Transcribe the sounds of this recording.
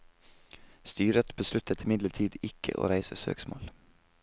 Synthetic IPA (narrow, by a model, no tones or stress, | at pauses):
st̪yːɾət̪bəslʉt̪ʰət̪ʰɪmɪd̪ləʈʰiːd̪ɪkʰə̰ʔo̰ːɾæɪsəsø̰ːksmo̰ːl